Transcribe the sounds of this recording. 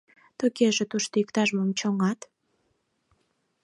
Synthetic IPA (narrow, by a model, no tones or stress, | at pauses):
t̪okeʒet̪uʃt̪oikt̪ɑʒmomt͡ɕoŋɑt̪